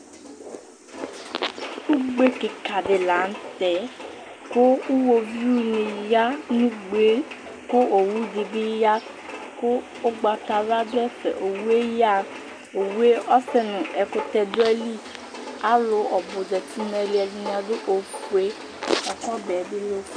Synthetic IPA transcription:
u˦ɡ͡be˦ki˨ka˨de˨la˨˦n̩˦tɛ˨˦ko˦u˦wo˧vi˦u˦nĩ˧ja˦nũ˦ɡ͡be˨˦ | ko˦o˨wu˦di˧bi˦ja˦ | ko˦ | o˦ɡ͡ba˧ta˧ɾa˦dɛ˦fɛ̰˨ʔo˨wu˦e˦ja˦ | o˨wu˦e˦ʔɔ˦sɛ˦˨nũ˨ɛ˧ko˦tɛ˧dʊ˦ɛ˦li˦ | a˦lo˨˦ɔ˨bo˨d͡ʒɛ˨ti˨˦nɛ˧li˦ɛ˧li˧n˨˦ã˧dʊ˦ʔo˨kwe˦ | ɔ˨kɔ˦bɛ˨˦di˦lo˦

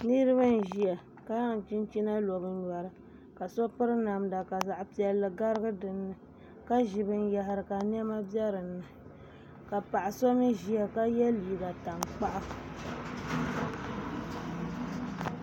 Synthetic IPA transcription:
nɨ˦ɾɨ˦βa˦n˨ʒi˨a˨ | ka˦ja˦ŋ˨t͡ʃi˦n˦t͡ʃi˦na˦lo˨bɨ˦n˦ɲa˨ɾɨ˨ | ka˨sɔ˦pɨ˦ɾɨ˦na˨mda˨ka˨za˨ʔpi˨ɛ˦lːɨ˨ɡa˦ɾɨ˦ɡɨ˦dɨ˨nːɨ˨ | ka˦ʒɪ˨bɨ˦n˦ja˨ɦɪ˨ɾɨ˨ka˨ni˦ɛ˦ma˦bjɛ˦ɾɨ˨nːɨ˨ | ka˨pa˨ʔa˨so˦nɨ˦ʒi˨ja˨ka˦jɛ˦liː˨ɡa˨ta˨mk͡pa˦ʔa˦

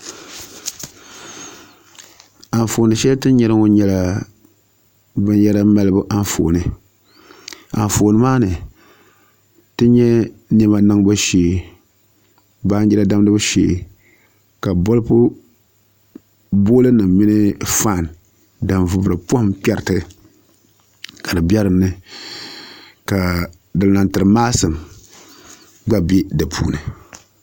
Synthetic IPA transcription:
a˨n˨foː˨nɨ˨ʃɛ˦ltɨ˦ɲɛ˦ɾɨ˦ŋo˦ɲɛ˦la˨ | bɨ˦njɛ˦la˦ma˦lɨ˦bu˦ʔa˦nfo̰˨nɨ˨ | a˨ɱ˨foː˨nɨ˨maː˦nɨ˨ | tɨ˦ɲɛ˦nɨ˦ba˨nɨ˦ŋba˦ʃeː˨ | baː˦ɲd͡ʒɛ˦la˦da˦m˦dɨ˦bɨ˦ʃḛː˨ | ka˨bo˦lpʊ˦ | bo˦lɨ˦nɨ˨mmi˦nɨ˦fa˦˨n˨ | da˨mvʊ˨bɾɨ˨phmk͡pɛ˦ɾtɨ˦ | ka˨dɨ˨bʲɛ˦ɾɨ˨nːɨ˦ | ka˨ | dɨ˨lna˨ntɨ˨ɾɨ˨maː˦sɨ˨m | ɡ͡ba˦be˦dɨ˨pʰṵː˦˨nɨ˨

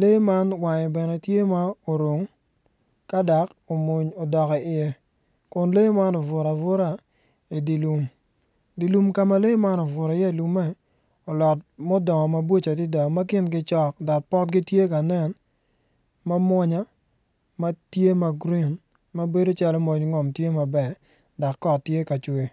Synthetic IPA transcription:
le˦ma˦nwa˨ɲɔ˨bɛ˨nɛ˨tje˦ma˦o˨ɾo˨ŋ | ka˦da˨k | o˨mu˨ɲo˨dɔ˨kɔ˨ɪ˨jɛ˦ | kʊ˨nle˦ma˦nɔ˨vʊ˨ɾa˨vʊ˦ɾa˨ | i˨di˨lu˨m | di˨lu˨mka˦ma˨le˦ma˦nɔ˨vʊ˨ɾa˨ɪ˦jɛ˦˨lu˨mɛ˦ | ɔ˨lɔ˨tmɔ˦dɔ˨ŋɔ˨ma˦bwo˦t͡ʃa˨dɪ˦da˨ma˦kɪ˦nɡɪ˦t͡ʃɔ˦k̚dɔ˨k̚pɔ˦t̚ɡɪ˦tje˦ka˨nɛ˦˨n | ma˦mwɔ˦ɲa˦ | ma˦tje˦ma˨ɡɾi˦n | ma˦be˦do˦t͡ʃa˦lɔ˦mo˨ɲ˨˦ŋɔ˨mtje˦ma˨bɛ˨ | da˨kːɔ˦tːje˦ka˨t͡ʃwe˨

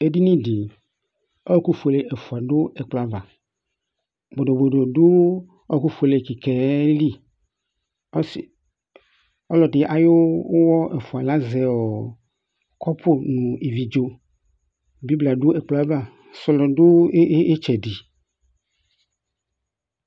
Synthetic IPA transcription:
e˦di˦nĩ˦di˨ | ɔ˦ku˦fo˨le˨ʔɛ˨fʊ˨a˨ɖʊ˦ɛ˨k͡pla˨va˨ | bo˨ɖo˨bo˨do˨dʊ˦ | ɔ˦ku˦fo˨le˨ki˨kɛ˨˦li˦ | s | ɔ˦lɔ˨dɪ˨ʔa˨jo˦wɔ˦ʔɛ˨fu˨a˨la˦zɛ˨ɔ˨ | kɔ˦pʰo˦nũ˨i˨vi˨d͡ʒo˦ | bi˦bla˨ɖo˦ɛ˨k͡pla˦va˦˨ | sɔ˨lɔ˨do˦e˦t͡ʃɛ˨di˨

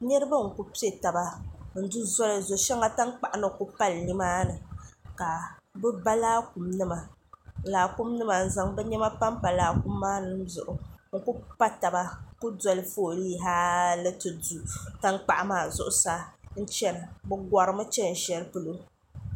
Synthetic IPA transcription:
ɲɛ˦ɾɨ˦ba˦ŋ̩˨ku˦pi˦e˨ta˨ba˦n̩˨˦du˦zɔ˦lɨ˨zo˨ʃɛ˦ŋa˦ta˦ŋk͡pa˨ʔa˨nɨ˨ku˦pa˦lɲi˦maː˦nɨ˨ka˨bɛ˦ba˦laː˦ku˨mnɨ˦ma˨ | laː˨ku˦mnɨ˦ma˨n̩˨za˨ŋbɛ˦ɲɛ˦ma˦pa˦mpa˨laː˨˦ku˦mːaː˦nɨ˨˦m˦zʊ̰˨ʔʊ˨ŋ̩˨ku˦pa˦ta˨ba˦ku˦dɔ˨lɨ˦foː˦˨liː˦ɦaː˦lɨ˦tɨ˨du˨ta˦ŋk͡pa̰˨ʔa˨maː˨zʊ̰˨ʔʊ˨˦saː˦n̩˦t͡ʃɛ˦na˨bɛ˦ɡʷa˨ɾɨ˨mɨ˦t͡ʃɛ˦n̩˨ʃɛ˨lpɨ˦lo˦

